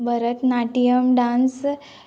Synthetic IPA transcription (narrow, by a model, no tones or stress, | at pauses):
bəɾət̪naʈijəmɖãns